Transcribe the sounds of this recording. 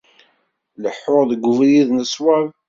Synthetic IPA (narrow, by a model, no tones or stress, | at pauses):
ləħːʊɾˤðəɡʷːʊvjiðnəswav